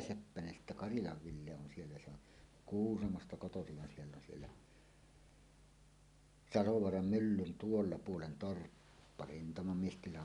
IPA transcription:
sepːænen sitːæ kɑrilɑʋ ʋilːe on sielːæ se on kuːsɑmostɑ kotosiʋ ʋɑ sielː on sielːæ sɑloʋoɑrɑm mylːyn tuolːɑ puolen torpːɑ rintɑmɑmiestilɑ

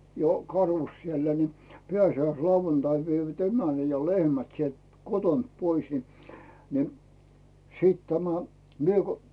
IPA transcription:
jo kɑrus sielæ ni pĕæsiæislɑuʋɑntɑiʋ ʋeiʋæt emænæ jɑ lehmæt sielt kotont pois ni ni siːt tæmæ mie ko

